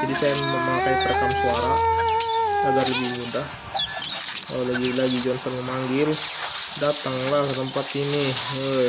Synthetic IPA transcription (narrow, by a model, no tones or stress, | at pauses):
d͡ʒadisajaməmaapɾipəɾakansuaɾa | aɡarləbibunt̪a | alaɡilaɡid͡ʒɔnsɔnɲamaŋɡɪl | dat̪aŋlahkəsəmpat̪iniə